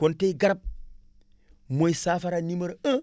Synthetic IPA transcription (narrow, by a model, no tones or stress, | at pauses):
konteiɡaɾap̚ | moisafaɾaniməɾə